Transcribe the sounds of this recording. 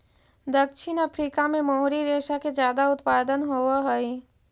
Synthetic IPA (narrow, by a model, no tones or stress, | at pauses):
d̪əkʃɪnapʰɾiːkamẽmoɦɾiɾeːʃaked͡ʒjaːd̪aʊt̪paːd̪ənɦoːaɦɛi